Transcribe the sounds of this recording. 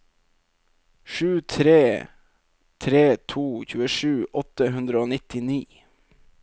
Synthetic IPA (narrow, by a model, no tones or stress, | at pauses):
ʃʉːt̪ʰɾeː | t̪ʰɾeːt̪ʰuːçʉːəʂʉːʔɔt̪əɦʉnd̪ɾəoːnɪt̪ɪniː